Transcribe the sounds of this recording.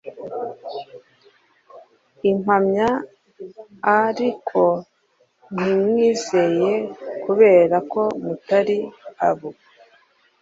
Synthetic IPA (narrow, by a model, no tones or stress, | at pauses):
imhamɲa | ɾikʰo̞ | n̥imŋiːze̞je̞kuβe̞ːɾako̞mutaɾiaβo